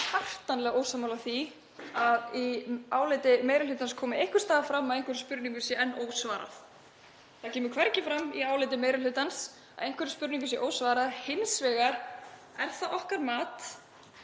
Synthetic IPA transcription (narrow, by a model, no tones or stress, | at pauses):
har̥t̪anlɛːɣoːwsaːmːawlaθi | aðiaːwleːt̪ɪmeːjɾɪlʏːt̪anskʰɔːmɪejhkʏ̥st̪aːðafɾamːaðejŋkʰvɛɾʏ̥spʏɾniŋkvɪsjɛɛnːoːwsvaːɾa̰θ | θaðcʰɛːmʏɾkʰv̥ɛɾcɪfɾamiaːwlɪjt̪̬ɪmeːjɾʏlʏt̪ans | a̰ejnkvɛɾɪ̥spʏɾniŋkvɪsjɛʔoːwsvaːɾaðhɪnsvɛːɣaɾ | ɛɾ̥θaðʔɔhkaɾmaːt̪